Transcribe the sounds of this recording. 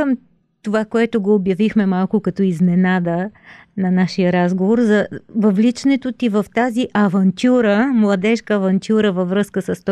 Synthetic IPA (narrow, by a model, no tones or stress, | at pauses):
əm | t̪ovakoɛt̪oɡoːbjɐvixmɛmalˠkʊkɐt̪ɔizmɛnad̪ənɐnaʃijəɾazɡovoɾzɐvɐvlit͡ʃnɛt̪ot̪ivɐft̪aziʔɐvɐnt̪ʲuɾəmlˠɐd̪ɛʃkəːvɐnt̪ʲuɾəvɐvɾɤskəsɐst̪